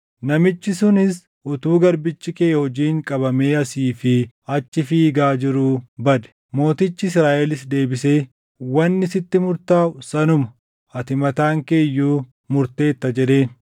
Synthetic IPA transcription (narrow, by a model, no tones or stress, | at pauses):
nɐmɪt͡ʃːɪsʊnɪs | ʔʊt̪uːɡɐɾbɪt͡ʃːɪkeːhɔd͡ʒiːŋkʼɐbɐme̞ːɐsiːfɪ | ɐt͡ʃːɪfiːɡaːd͡ʒɪɾubɐd̪ɛ̥ | mo̞ːt̪ɪt͡ʃːɪsɾaːʔɛlɪsd̪e̞ːbɪse̞ː | wɐnːɪsɪt̪ːɪmʊɾt̪aːʊsɐnʊmɐ | ɐt̪ɪmɐt̪aːŋke̞ːjːuː | mʊɾt̪e̞ːt̪ːɐd͡ʒɛᶑ̪e̞ːn